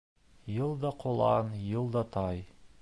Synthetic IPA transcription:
jɤlˠd̪ɑqʰŏlˠɑnjɤlˠd̪ɑt̪ʰɑj

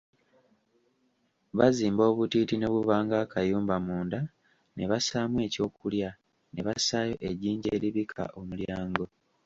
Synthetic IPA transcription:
βaziːmbo̞ːβutitino̞βuβaːŋɡakʰajuːmbamuːnda | ne̞βasaːmwe̞ːco̞ːkulja | ne̞βasajo̞ʔe̞ɟiːɲɟe̞ːɾiβikʰa̰ʔo̞muljaːŋɡo̞

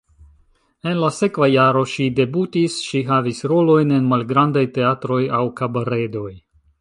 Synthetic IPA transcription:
e̞nlase̞kvajaɾo̞ʃide̞butisʃiɦavisɾo̞lo̞jne̞nmalɡɾandajte̞atɾo̞jawkabaɾe̞do̞j

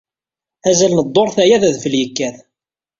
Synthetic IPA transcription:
æzælnəd̪ˤːoɾˤθæjæðæðfəljəkːæθ

